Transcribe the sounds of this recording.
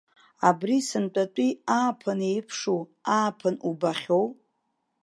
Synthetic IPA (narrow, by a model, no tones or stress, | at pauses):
abrisɨnt͡pʼatʷʼiaːpʰɨnejpʰʂuaːpʰɨnubaχʲo̞w